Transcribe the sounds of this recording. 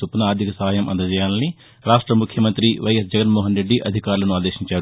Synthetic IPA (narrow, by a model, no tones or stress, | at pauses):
upːunɐaːɾd̪ʱikɐsɐɦaːjɐmʔɐ̰nd̪ɐd͡ʒɐjaːlɐni | ɾaːʂʈɾɐmukʰjɐmɐnt̪ɾiʋɐjɐsd͡ʒɛɡɐnmɔːɦɐnɾeɖːiʔɐ̰d̪ʱikaːɾulɐnuaːd̪eːʃiɲt͡ʃaːɾu